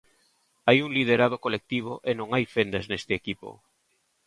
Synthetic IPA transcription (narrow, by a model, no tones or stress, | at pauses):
ajuŋlið̞eɾað̞okolek̚t̪iβ̞oʔenõŋajfend̪aznest̪ɪekipo̰